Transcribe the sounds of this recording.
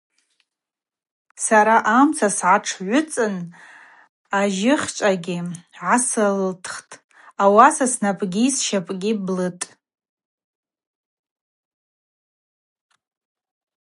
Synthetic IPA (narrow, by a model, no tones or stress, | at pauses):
saɾaʔamt͡sʰasʕaʈ͡ʂʰʕʷʊt͡sʼɨn | aʒɪχʲt͡ʃʷʼaɡʲɪʕasɨltʰχtʼ | awasasnapʼɡʲisʃapʼɡʲɪblɨtʼ